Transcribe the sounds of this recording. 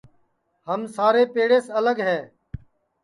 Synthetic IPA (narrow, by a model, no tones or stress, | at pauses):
həmsaːɾeːpeːɽeːsələɡɦɛː